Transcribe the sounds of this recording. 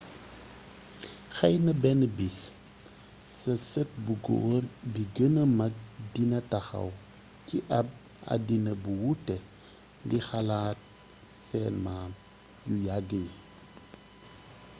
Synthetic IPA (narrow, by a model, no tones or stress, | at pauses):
xɐjnɐbɛnbis | sɐsət̚buɡo̰ːrbiɡənəmɐk̚dinɐtɐxɐ̰w | kiʔɐb̚ | ɐ̰dinəbuwutːɛ | dixalaːt̚ | sɛːnmaːm | jujaɡi